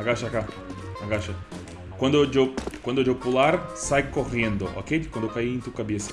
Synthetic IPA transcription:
aɡaʃaka | aɡaʃɐ | kwɐ̃nd̪od͡ʒewkwɐ̃nd̪ʊd͡ʒewpulaɾsajkoʁẽnd̪oʔo̰kekwɐ̃d̪ewkaiẽt̪ukabesɐ̥

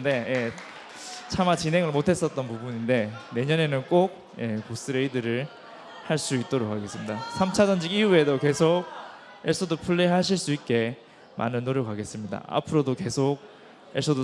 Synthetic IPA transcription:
de̞je | t͡ɕʰamat͡ɕinɦe̞ŋɯɭmotʰe̞s͈ʌt̚t͈ʌnpubunindene̞ɲʌne̞nɯnk͈oɡ̚ | je̞kos͈ɯɾeidɯɾɯɭ | haɭs͈uit̚t͈oɾok͈ʰːaɡe̞s͈ɯmɲidasʰamt͡ɕʰad͡ʑʌnd͡ʑiɡiue̞doke̞sʰok̚ | eɭs͈ʰʌdopʰuɭːeɦaɕʰiɭs͈uit̚k͈e̞ | ma̰nɯnːoɾjʌk͈ːaɡe̞s͈ɯmɲida̰a̰pʰɯɾodoke̞sʰok̚ | eɭs͈ʌdo

